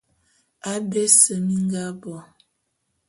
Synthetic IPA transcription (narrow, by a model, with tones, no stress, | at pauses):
a˦be˦sə˨mi˦ŋ˦ɡa˦bɔ˨